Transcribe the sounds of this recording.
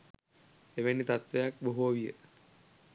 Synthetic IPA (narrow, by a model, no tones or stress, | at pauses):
eʋenːit̪at̪ʋejak̚boɦuaʋijə̰